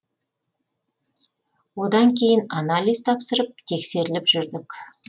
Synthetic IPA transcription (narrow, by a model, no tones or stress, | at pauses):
wo̞d̪ɑŋkʲʰe̞jɪnanalʲijzt̪ʰɑpsəɾəp̚t̪ʰe̞kse̞ɾɪlɪpʒʏɾd̪ɪk